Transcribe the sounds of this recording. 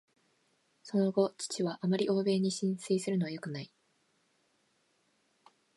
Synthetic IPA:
so̞no̞ɡo̞t͡ɕi̥t͡ɕiβaʔamaɾʲiʔo̞ːbe̞ːɲ̟iɕĩɰ̃seisɨɾɯ̟no̞βajo̞kɯ̟nai

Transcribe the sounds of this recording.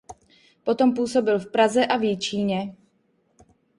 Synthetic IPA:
pɔt̪ɔmpuːsɔbilfpɾazɛʔavjɛt͡ʃiːɲɛ

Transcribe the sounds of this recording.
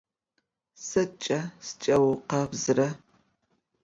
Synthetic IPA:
sɐt͡ʃʼɐst͡ʃʼɐwqɐbzɨrɐ

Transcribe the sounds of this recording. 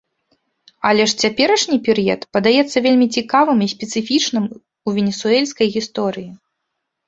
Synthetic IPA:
ɐlʲɛʂt͡sʲapʲɛɾɐʂnʲipʲɛɾɨjɛt̪pɐd̪ajɛt̪sːɐvʲelʲmʲit͡sʲikavɨmisʲpʲɛt̪sɨfʲit͡ʂnɨm | uvʲɛnʲɛsuɛlʲsʲkɐjɣʲist̪ɔɾɨji

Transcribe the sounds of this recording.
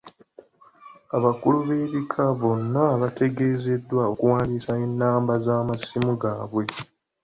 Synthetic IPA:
aβakuluβe̞ːβikʰaβo̞nːaβate̞ɡe̞ːze̞dːwaokuwaːndisaenːaːmbazaːmasimuɡaːβwe̞

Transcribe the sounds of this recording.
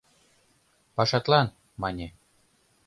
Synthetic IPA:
pɑʃɑt̪lɑn | mɑnʲe

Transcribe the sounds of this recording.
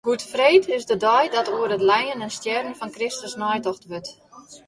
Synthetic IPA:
ɡ̥utfreːtʰɪsdədɔjdɔtuəɾətlɛjənənstjɛrən̩fɔnkrɪstəsnɔjtɔxtʋøt

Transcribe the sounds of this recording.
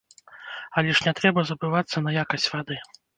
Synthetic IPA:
ɐlʲɛʂnʲɛt̪ɾɛbɐzɐbɨvat̪sːɐnɐjakɐsʲt͡sʲvad̪ɨ

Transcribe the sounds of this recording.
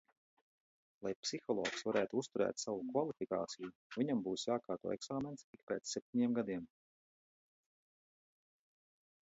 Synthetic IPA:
lˠajpsixɔlˠɔːksvaɾæːt̪uust̪uɾɛ̰ːt̪savukvalˠifika̰ːt̪sijuviɲambuːsjaːkaːɾt̪ṵːɛksaːment̪sikpeːt̪ssep̚t̪ʲiɲiɛmɡad̪iɛm

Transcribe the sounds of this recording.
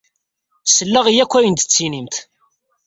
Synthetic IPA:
səlːæʁijækʷːæjənt̪ə̥t͡sːinimt̪

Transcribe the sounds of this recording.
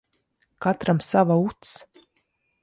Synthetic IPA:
kat̪ɾamsavaut̪s

